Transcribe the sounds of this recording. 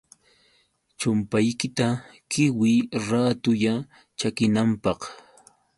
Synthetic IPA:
t͡ʃʊmpajkɪt̪akɪwɪɾat̪ʊʎa | t͡ʃakɪnampɑχ

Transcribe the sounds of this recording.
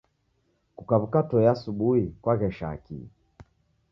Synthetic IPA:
kukaβukatɔjasuɓuhikwaɣɛʃa̰kḭ

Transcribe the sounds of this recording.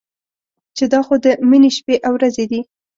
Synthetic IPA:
t͡ʃed̪ɑxod̪əmineʃpeʔawɾazed̪i

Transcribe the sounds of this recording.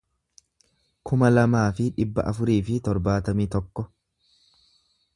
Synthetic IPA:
kʰʊmɐlɐmaːfɪᶑɪbːɐ̰ʔɐfʊɾiːfɪt̪ɔɾbaːt̪ɐmiːt̪ɔkːɔ

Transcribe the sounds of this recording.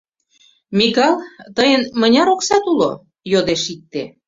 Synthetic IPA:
mikɑlt̪əjənmənʲɑɾoksɑt̪ulo̰ | jod̪eʃik̚t̪e

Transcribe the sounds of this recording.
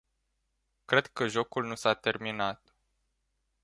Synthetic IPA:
kɾe̞d̪̚kəʒo̞kulnusat̪e̞rminat̪

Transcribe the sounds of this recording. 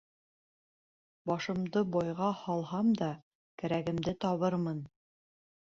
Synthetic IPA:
bɑʃɤ̆md̪ɤbɑjʁɑhɑlˠhɑmd̪ɑ | kɘ̆ɾæɡɘ̆md̪ɘt̪ɒβɤɾmɤn

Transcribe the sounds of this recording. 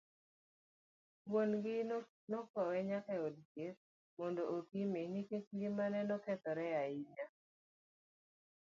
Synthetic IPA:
wonɡɪ | nɔkɔwɛɲakɛɔdket̚ | mɔndoʔokimenikekɡimanɛnɔkɛt̪ɔɾɛjaiɲa

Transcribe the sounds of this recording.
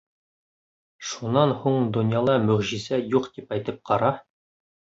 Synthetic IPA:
ʃunːɑnhuɴd̪ŏnjɑlˠɑmɵ̆ʁʑizæjuqt̪ipæjt̪ɘp̚qɑɾɑ

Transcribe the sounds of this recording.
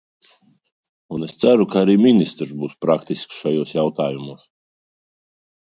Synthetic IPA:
unest̪sæɾukaaɾiːmʲinʲist̪ɾzbuːspɾakt̪isksʃajoːsjawt̪aːjumuɔːs

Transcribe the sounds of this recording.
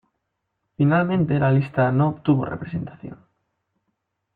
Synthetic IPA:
finalmẽnt̪elalist̪anoːpt̪uβ̞o̰rḛpɾesent̪aθjo̰ŋ

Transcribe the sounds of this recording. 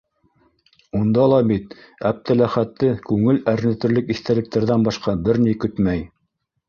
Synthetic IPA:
und̪ɑlˠɑbit̪ | æp̚t̪ælæχæt̪ːɘkʉŋɘlæɾnɘ̆t̪ɘ̆ɾlɘkiθt̪ælɘ̆k̚t̪æɾðænbɑʃqɑbɘɾnikɵt̪mæj

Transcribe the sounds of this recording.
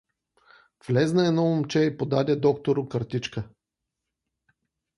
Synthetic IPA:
vlɛznəɛnɔomt͡ʃɛipod̪ad̪ʲəd̪ɔkt̪oɾʊkəɾt̪it͡ʃkə

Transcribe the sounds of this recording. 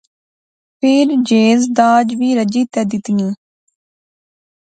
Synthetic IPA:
pʰeɾd͡ʒeːzd̪aːd͡ʒʋiːɾəd͡ʒiːt̪ɛːd̪ɪt̪ŋĩː

